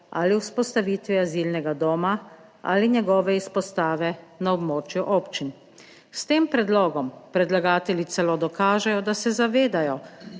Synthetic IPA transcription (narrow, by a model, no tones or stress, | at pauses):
a̰ːliwspɔst̪aʋiːt̪ʋiazilnɛɡad̪oːma | a̰ːliɲɛɡɔːʋɛispɔst̪aːʋɛnaɔbmoːt͡ʃjuʔoːpt͡ʃin | st̪eːmpɾɛd̪loːɡɔmpɾɛd̪laɡaːt̪ɛlit̪sɛloːd̪ɔkaːʒɛjɔd̪asɛzaʋeːd̪ajɔ